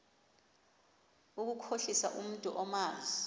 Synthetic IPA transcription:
uk̬ukʰoɬisa̰ʔum̩tʼuʔɔmaːzi

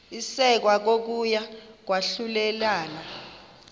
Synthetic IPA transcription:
isɛk̬wak̬ok̬ujak̬waɬulɛlaːna

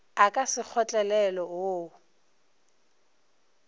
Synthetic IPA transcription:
akʼasɪk͡xʰɔt͡ɬʼɛlɛlɔoː

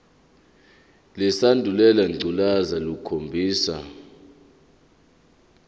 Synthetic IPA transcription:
lɛsandʱulɛlaŋ͡ǀʱulazalukʰombʱiːsa̰

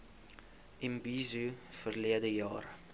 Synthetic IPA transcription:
ʔɛmbizufərliədəjɑːr

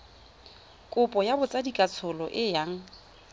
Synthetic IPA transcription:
kʼʊpʼɔjabʊt͡sʼadikʼat͡sʰʊlɔʔɪjaŋ̩

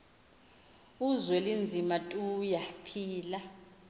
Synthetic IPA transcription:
uzwɛlind͡zʱimatʼujapʰiːla

